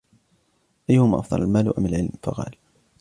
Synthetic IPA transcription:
ʔajːʊhʊmaːʔɑ̰fd̪ˤɑ̰lˤalmaːlʔamalʕɪlmfɑqɑ̰ːl

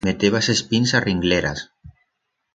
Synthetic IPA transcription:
met̪eβasespinsariŋɡleɾa̰s

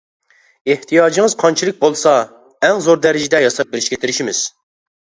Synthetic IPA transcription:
eht̪ʰijɑːd͡ʒiŋɨzqʰɑnt͡ʃʰilˠɪk̚ʲbolˠsɑ | ɛŋzoɾd̪ɛɾɪd͡ʒid̪ɛjɑsɑp̚bɪɾɪʃkʲɛt̪ʰɪɾɪʃimɪz̥

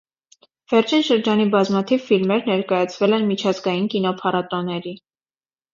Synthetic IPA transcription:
v̥ɛɾt͡ʃʰinʃəɾd͡ʒɑnibɑzmɑt̪ʰivfilmɛɾnɛɾkɑjɑt͡sʰvɛlɛnmit͡ʃʰɑzɡɑjinkin̪ɔpʰɑɾɑt̪ɔnɛɾi

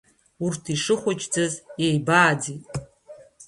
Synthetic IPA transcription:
urtʰiʂɨχʷʊt͡ʃʼd͡zɨzjejbaːd͡zitʼ

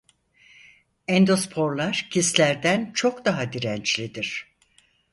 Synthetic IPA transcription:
ɛnd̪o̞spʰo̞ɾlˠaɾ̥cʰislʲæɾd̪ænt͡ʃʰo̞kd̪aɦad̪iɾɛnt͡ʃlʲid̪iɾ̥

